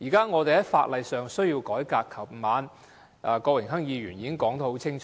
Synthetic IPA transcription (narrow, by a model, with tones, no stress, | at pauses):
jiː˨˩kaː˥ŋɔː˨˧t̪e˨jhɐ˨˥jfaː˧t̚lɐ˨˧jsœː˨ŋsɵ˥ɥjiː˧wkɔː˨˥jkaː˧kʰːɐ˨˩p̚m˨maː˨˧n | ʔaː˨˧kɔː˧wɪ˨˩ŋɦɐ˥ŋjiː˨˧ɥyː˨˩njiː˨˧kɪ˥ŋkɔː˨˥ŋt̪ɔ˧˥ho˨˥wt͡sʰɪ˥ŋt͡ʃʰː